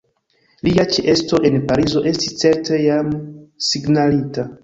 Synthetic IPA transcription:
liat͡ʃeʔe̞sto̞ʔe̞npaɾizo̞ʔe̞sti̥st͡se̞ɾte̞jamsiɡnalita

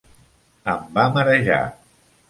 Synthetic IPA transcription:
əmbaməɾəʒa̰

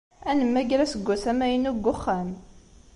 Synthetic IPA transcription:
ænəmːæɡɾæsəɡʷːæsæmæjənuɡʷːʊχːæm

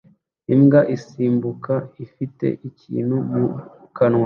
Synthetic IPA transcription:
imɡaʔisiːmbukaifite̞̰ʔicḭːn̥humu | kanwa

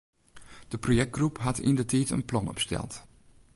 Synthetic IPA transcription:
d̥əprojɛk̚t̚ɡ̥rupɦatḭndətʰɛːtə̰nplɔnɔ̰pstɛ̰lˠt

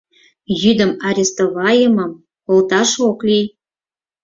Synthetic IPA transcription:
jyd̪ə̆mɑɾʲest̪oβɑjəmɤ̆m | olt̪ɑʃoklʲij

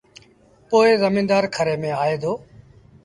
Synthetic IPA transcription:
poːezəmĩːnd̪aːɾkʰəɾeːmẽːaːɦeːd̪oː

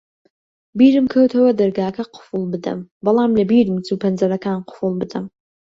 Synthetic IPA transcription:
biːrɨmkʰɐwtʰɐwɐdɐrɡaːkʰɐqʰʊ̥fulbɨdɐ̰mbɐlaːmlɐbiːrɨmt͡sʰupʰɐnd͡zɐɾɐkʰaːnqʷʊ̥fulˠbɨdɐm

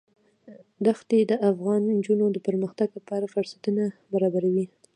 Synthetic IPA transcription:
d̪axt̪ed̪əʔafɣɑnnd͡ʒunod̪əpəɾməxt̪aɡlapɑɾafʊɾsḁt̪unabaɾɑbaɾawi

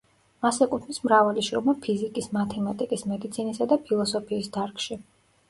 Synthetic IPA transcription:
asɛkʼut̪ʰmismɾavɛliʃɾɔmapʰizikʼismat̪ʰɛmat̪ʼikʼismɛd̪it̪sʰinisad̪apʰilˠɔsɔpʰiːsd̪aɾkʰʼʃi

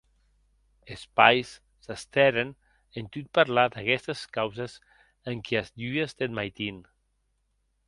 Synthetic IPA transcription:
espajsː | əst̪ɛɾen | ent̪yt̪̚paɾlad̪akɛst̪əskawzəz | əŋkʰiazʎujəst̪enmajt̪in

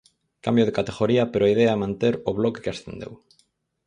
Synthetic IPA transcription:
kambjoðekat̪eɣoɾiɐpeɾoaiðeɐmãnt̪eɾʊβlɔke̥keasθend̪ḛw

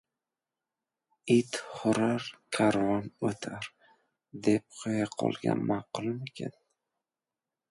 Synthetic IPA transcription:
it̪χʊɾaɾkʲʰaɾvɒnot̪ʰaɾ | d̪e̞p̚qʰojaqʰɒ̰lˠɡʲa̰nmaqʊlˠmekʲʰa̰n

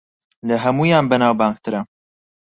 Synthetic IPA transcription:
lɐɦɐmuːjaːnbɛnaːwbaːŋk̚t̪ʰɨɾɐ

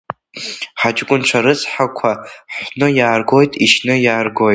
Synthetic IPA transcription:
ħad͡ʒʼkʷʼʊnʈ͡ʂʷʰaɾɨt͡sħakʷʰaħʷnɨjaːrɡo̞jtʼiʃnɨjaːrɡo̞jtʼ

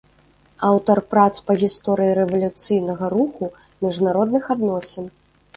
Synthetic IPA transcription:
awt̪ɐrpɾat̪spɐɣʲist̪ɔɾɨjiɾɛvɐlʲut̪sɨjnɐɣɐɾuxu | mʲiʐnaɾɔd̪nɨxad̪nɔsʲɛn

